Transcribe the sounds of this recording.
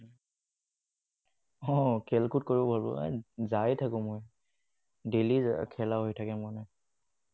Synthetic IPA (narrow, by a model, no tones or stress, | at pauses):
ɔkʰɛlkʰut̚koɹibʱalbɔ̰zajtʰakʊ̃moj | delikʰɛlaɦojtʰakɛmɔnɔ